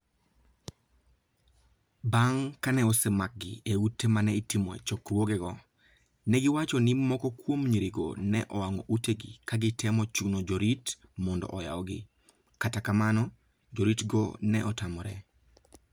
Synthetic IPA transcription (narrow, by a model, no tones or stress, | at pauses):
baŋkanɛɔsemak̚ɡɪ̰eutːemanɛitimɔḛt͡ʃɔkrwoɡɛɡɔ | nɛɡɪwat͡ʃɔnimɔkɔkwomɲiɾiɡo̰nɛ̰ʔɔwaŋɔ̰ʔuteɡḭkaɡɪtɛmɔt͡ʃunod͡ʒoɾit | mɔndɔ̰ʔɔja̰ɔɡɪ | katakamanɔ | d͡ʒoɾitɡɔ̰nɛʔɔtamɔɾɛ